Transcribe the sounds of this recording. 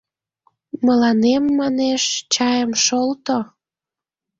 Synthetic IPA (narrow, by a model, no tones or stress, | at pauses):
məlɑnemːɑneʃt͡ɕɑjəmʃolt̪o